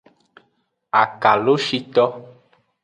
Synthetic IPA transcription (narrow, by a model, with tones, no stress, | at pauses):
a˨ka˨lo˦ʃi˦t̪ɔ˦